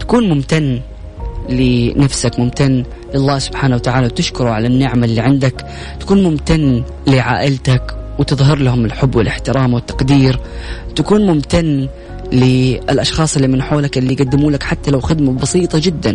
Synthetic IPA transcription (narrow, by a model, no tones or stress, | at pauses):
t̪ḁkuːnmʊmt̪anː | lɪnafsakmʊmt̪anː | lɪɑlˤːɑːsʊb̥ħaːnawat̪aʕaːlawt̪ɪʃkʊɾuʕalanːɪʕmalːiʕɪnd̪ak | t̪ḁkuːnmʊmt̪anː | lɪʕa̰ːʔɪlt̪akwt̪ɨðˤɦɑɾlahʊmɪlħʊbːwɪlʔɪħt̪ɪɾɑːmwɪt̪ːɑ̥qd̪iːɾt̪akuːnmʊmt̪anː | lɪɪlʔɑʃxɑːsˤɪlːimɪnħoːlakʔɪlːiɡad̪ːɪmuːlakħat̪ːalawxɪd̪mabɑsiːt̪ˤɑd͡ʒɪd̪ːan